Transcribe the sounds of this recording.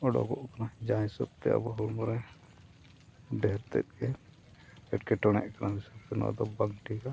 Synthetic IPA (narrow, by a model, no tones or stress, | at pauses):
ɔɖɔ̰ɡɔʔkanad͡ʒãjsɔb̚t̪ɛ̰a̰bɔɦuɾmɔɾɛ | bɛɾt̪ɛ̰t̪̚ˀkɛ | ɛʈkɛʈɔɽ̃ɛ̰ʔkanaɦisɔpt̪ɛna̰d̪ɔbaŋʈika